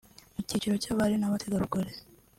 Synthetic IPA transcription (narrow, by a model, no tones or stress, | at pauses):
mucit͡ʃiɾocaβaɾinaβatʰeɡaɾukoɾeɾ